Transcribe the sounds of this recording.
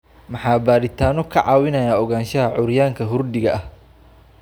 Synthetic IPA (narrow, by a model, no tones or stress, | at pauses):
mɑħɑːbaːɾɪt̪ʰaːnɔkʰɐʕɑːwɪnɐjaːɔɣaːnʃɐɦɐʕʊɾjaːŋkʰɐɦʊrdɪɣɐʔɐh